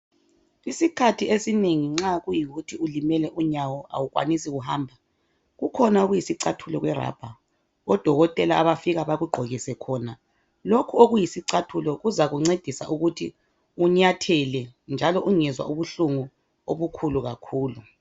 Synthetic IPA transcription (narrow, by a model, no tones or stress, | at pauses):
isikʰatʰiesineŋiŋ͡ǁaɣujiɣutʰiulimɛlɛʔuɲawɔa̰wuɣwa̰nisiɣuhaːmbʱa | ɣukʰɔnauɣujisiǀatʰulɔɣwɛra̰ːb̥ʱa | ɔd̥ʱɔɣɔtʼɛlaaβafiɣaβaɣuɡ͡ǃʱoɣisɛkʰɔna | lokʰuoɣujisiǀʰatʰulɔɣuzaɣuŋ͡ǀed̥ʱisa̰ʔuɣutʰi | uɲatʰɛlɛnd͡ʒʱalɔʔuŋɛzwa̰ʔuβuɬuŋu | oβukʰuluɣakʰuːlu